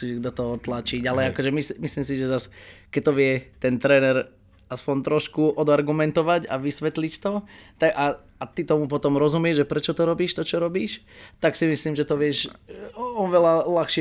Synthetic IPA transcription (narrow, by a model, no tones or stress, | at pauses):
siːʒd̪ɔt̪ɔɦɔt̪lat͡ʃiɟalɛakɔʒɛmismisliːmsiʒɛzaskɛc̚t̪ɔʋɪɛt̪ɛnt̪ɾɛːnɛɾ | aspɔnt̪ɾɔʃkuʔɔd̪aɾɡumɛnt̪ɔʋaɟa̰ʋisʋɛt̪lict̪ɔt̪aɡa | at̪it̪ɔmupɔt̪ɔmɾɔzumɪɛʒʒɛpɾɛt͡ʃɔt̪ɔɾɔbiːʃt̪ɔt͡ʃɔɾɔbiːʃt̪aksimisliːmʒɛt̪ɔʋɪɛʃ | ɔʋɛlalaxʃɪɛ